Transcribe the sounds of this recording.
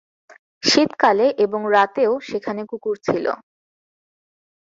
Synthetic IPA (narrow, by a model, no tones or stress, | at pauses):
ʃit̪kaleʔeboŋɾat̪eoʃekʰanekukuɾt͡ɕʰilo̰